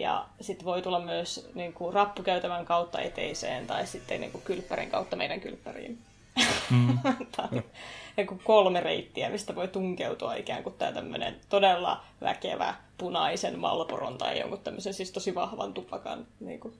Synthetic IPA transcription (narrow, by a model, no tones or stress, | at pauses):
jɑ̰sit̪ːʋoit̪ulːɑmmyøsniːŋkurɑpːukæyt̪æmæŋkɑut̪ːɑ̰et̪eisḛːnt̪ɑissit̪ːenːḛːŋkukkylpːærḭŋkɑut̪ːɑmḛidæŋky̰lpːærḭːn | t̪ʰɑnniŋkukkolmereit̪ːiæmist̪æʋoit̪uŋkeut̪uɑikæːŋkut̪t̪ːæ̰ːt̪æmːø̰nḛnt̪odelːɑ̰ | ʋæ̰kḛʋæ̰punɑisenmɑ̰lporo̰nt̪ɑijjo̰ŋkut̪t̪ːæmːøsensiːst̪osiʋɑhʋɑnt̪upːɑkɑ̰nnḭːŋku